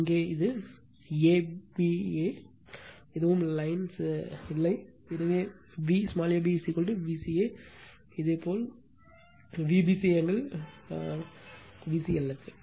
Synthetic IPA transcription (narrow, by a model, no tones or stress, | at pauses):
ɪŋɡeːɪðɯ | eːbieː | ɛðɯʋɯmlɐɪnsɪlːɐɪ | ɪðɯʋeː | ʋiːsmaːljɐbisikɔʈːɯʋiːsieː | ɪðeːpoːl | ʋibisɛjɐŋɡɐɭ | ʋiːsiɛlːɐkːɯ